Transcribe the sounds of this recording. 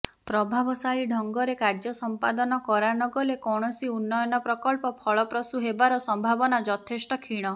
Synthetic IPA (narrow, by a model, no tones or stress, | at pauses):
pɾɔbʱabɔsaɭiɖʱɔŋɡɔɾekaɾd͡ʒɔsɔmpad̪ɔnɔkɔɾanɔɡɔlekɔɽ̃ɔsiunːɔjɔnɔpɾɔkɔlpɔpʰɔɭɔpɾɔsuɦebaɾɔsɔmbʱabɔnad͡ʒɔt̪ʰesʈɔkʰiɽ̃ɔ